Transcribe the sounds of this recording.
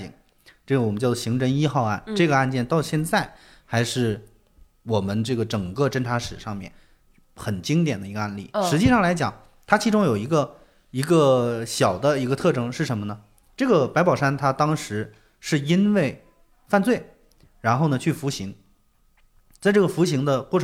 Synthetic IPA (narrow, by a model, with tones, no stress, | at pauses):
ḭ˥˩ŋ | ʈ͡ʂɡə˩wɔ˨˩ə˦t͡ɕjɕi˧˥ŋʈ͡ʂʰə˧˥ŋi˥xɑ˥˧ʊa˥˩nʈ͡ʂɤ˥˩ɡə˩a˥˧nt͡ɕjɛ˥˧nt̪ɑ˥˧ʊɕjɛ˥˧nt͡sa˥˩ɪ | xa˧˥ɪʂɻ̩˥˩ | wɔ˨˩mə˦nʈ͡ʂɤ˥˩ɡə˩ʈ͡ʂɤ˨˩ŋkɤ˥˧ʈ͡ʂə˥nʈ͡ʂʰa˧˥ʂɻ̩˨˩ʂɑ˥˧ŋmjɛ̰˥˩n | xə˨˩nt͡ɕi˥ŋt̪jɛ˨˩nd̪ə˦i˧˥ɡə˧a˥˩nlḭ˥˩ʂɻ̩˧˥t͡ɕi˥˧ʂɑ˥˩ŋla˧˥ɪt͡ɕjɑ˨˩˦ŋ | t̪ʰa˥t͡ɕʰi˧˥ʈ͡ʂʊ˥ŋjo˨˩ʊi˧˥ɡə˧ | i˧˥ɡə˧ɕjɑ˨˩ʊd̪ə˦i˧˥ɡə˧t̪ʰɤ˥˩ʈ͡ʂɤ˥ŋʂɻ̩˥˩ə˧˥nmə˧nə˩ | ʈ͡ʂɤ˥˩ɡə˩pa˧˥ɪpɑ˨˩ʊʂa˥nt̪ʰa˥t̪ɑ˥ŋʂɻ̩˧˥ | ʂɻ̩˥˩i˥nwe˥˩ɪ | fa˥˧nt͡swe˥˩ɪ | ɻa˧˥nxo˥˩ʊnə˩t͡ɕʰy˥˩fu˧˥ɕi˧˥ŋ | t͡sa˥˧ɪʈ͡ʂɤ˥˩ɡə˩fu˧˥ɕi˧˥ŋd̪ə˧kwɔ˥˩ʈ͡ʂʰ